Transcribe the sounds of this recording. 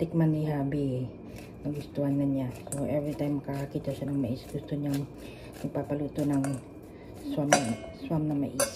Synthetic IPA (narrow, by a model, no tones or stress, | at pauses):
t̪ɪk̚maniɦabi | naɡust̪uankanɲasoɛvɾit̪ajmkaakit̪aʃanaŋmaisɡ̥ust̪uɲaŋ | nipapalut̪unaŋ | swamswamnama̰ʔis